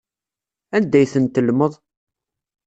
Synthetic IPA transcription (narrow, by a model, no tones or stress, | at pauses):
ænd̪æjθənt̪ːəlməðˤ